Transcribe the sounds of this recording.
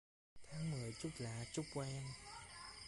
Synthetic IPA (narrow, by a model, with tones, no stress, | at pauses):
t̪ʰaː˨˦ŋmɨ˨˩əjt͡ɕu˦˥k͡p̚laː˧˩t͡ɕʊ˦˥k͡p̚kwɛ˧n